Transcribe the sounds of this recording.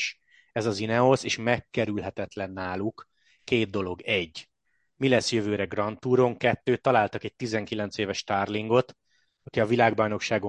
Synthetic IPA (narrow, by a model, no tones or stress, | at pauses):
ʃ | ɛzɒzinɛoseːʃmɛkːɛɾylɦɛt̪ɛt̪lɛnːaːlukː | eːd̪̚d̪o̞lo̞ɡɛɟː | milɛsjøvøːɾɛɡrɒnt̪uːɾo̞ŋkɛt̪ːøːt̪ːɒlaːlt̪ɒkɛc̚t̪izɛŋkilɛnt̪seːvɛʃt̪aːrliŋɡo̞t̪ | ɒkiɒvilaːɡ̚bɒjno̞kʃaːɡo